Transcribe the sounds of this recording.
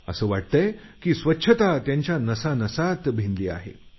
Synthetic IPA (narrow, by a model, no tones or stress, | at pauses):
əsəːʋaʈ̚t̪əjkiːsʋətːɕʰət̪at̪jaɲt͡ɕjanəsanəsat̪bʱind̪liːa̰ɦḛ